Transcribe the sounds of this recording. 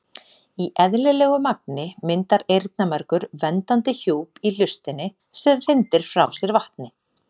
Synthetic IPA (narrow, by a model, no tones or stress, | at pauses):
iʔɛðlɛlɛːɣʏmak̚nɪmɪnt̪aɾejɾt̪namɛɾkʏɾvɛnt̪ant̪ɪçoːwpilʏst̪ɪnːɪ | sɛmr̥ɪnt̪ɪɾ̥fɾawsjɛɾvaht̪nɪ